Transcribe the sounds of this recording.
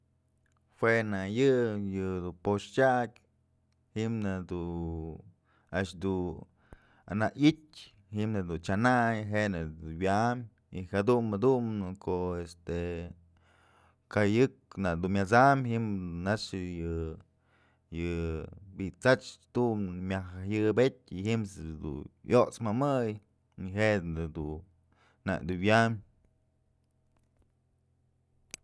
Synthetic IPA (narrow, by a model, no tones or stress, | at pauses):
hwenajɨjɨd̪upoʃtʲakʲ | himnad̪u | aʃd̪u | anaʔitʲ | himnɨd̪unt͡ʃanajɦenɨuwjam | ihad̪unad̪umnɨkʰoʔest̪e | kajɨknad̪umʲat͡samhimnaʂɨjɨ | jɨbiʔt͡sat͡ʃt̪umɨmʲaxajɨbet̚ʲiɦimsd̪ṵjoʔt͡smamɨj | niɦeʔɨd̪u | na̰ʔd̪uwʲjam